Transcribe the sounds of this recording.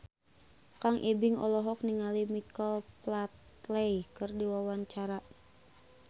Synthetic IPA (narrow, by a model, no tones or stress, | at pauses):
kaŋʔibɪŋɔ̰lɔɦɔk̚niŋalimikəlplat̪ | lɛjkɨrdiwawaɲt͡ʃaɾa